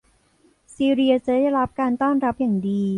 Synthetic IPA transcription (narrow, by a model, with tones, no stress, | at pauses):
siː˧ɾi˧ɐt͡ɕa˨˩daː˥˩jɾa˦˥p̚kaː˧nt̪ɔː˥˩nɾa˦˥p̚jaː˨˩ŋdiː˧